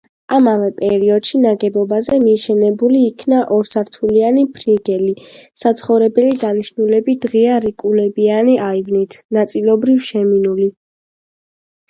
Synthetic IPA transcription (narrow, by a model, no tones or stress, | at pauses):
amavɛpʼɛɾiɔd̪̥ʃinaɡɛbɔbazɛmiʃɛnɛbuliːkʰnaʔɔɾsaɾt̪ʰulianipʰɾiɡɛlisat̪sʰχɔvɾɛbɛlid̪aniʃnulɛbid̪̥ʁiaɾikʼulɛbianiʔaivnit̪ʰnat̪sʼilˠɔbɾifʃɛminuli